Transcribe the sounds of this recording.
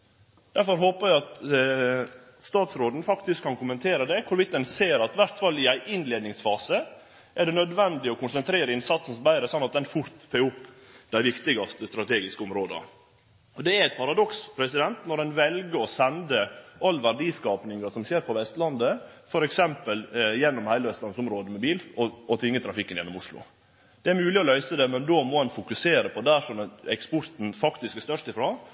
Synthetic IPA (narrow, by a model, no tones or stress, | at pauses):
d̪̥æɾfɔɾɦoːpəɾæɪɑt̪ | st̪ɑːt̪sɾoːd̪n̩fɑkt̪ɪskʰːɑnkʊmənt̪ʰeːɾəd̪ɛkʰʊɾʋɪt̪̚d̪ɛnseːɾɑt̪ʋæɾt̪fɑlːɪæɪʔɪnleːd̪nɪŋsfɑːsə | ʔæɖɛnœd̪ʋɛnd̪ɪɔkʰʊnsɛnt̪ʰɾeːɾəɪnsɑt̪sn̩sɔbæɪɾəsɔnːɑt̪̚d̪ɛnfʊɾt̪feːʊpː | d̪̥æɪʋɪkt̪ɪɡɑst̪əst̪ɾɑt̪ʰeːɡɪskəʊmɾoːd̪ə̰ | ɔd̪ɛæɾæɪt̪̚pʰɑɾɑd̪ɔkspʰɾɛsɪd̪ɛnt̪nɔɾɛnʋɛlɡəɾɔsɛnd̪əʔɑlːʋæɾɖiːskɑːpnɪŋɑʂɔmseːɾpʰɔʋɛst̪lɑnd̪ə | fɔɾɛksɛmpəljɛnːɔmhæɪləʋɛst̪ɑnsʊmɾoːd̪əmɛbiːlɔɔt̪ʰʋɪŋːət̪ʰɾɑfɪkːənjɛnːɔmʊʂlʊ̰ | d̪̥ɛæɾmʉːlɪɔlœʏsəd̪ɛmɛnd̪oːmɔɛnfʊkʉseːɾəpʰɔd̪æʂɔmɛkspʊɾt̪n̩fɑkt̪ɪskæʂt̪œʂt̪ɪfɾɑː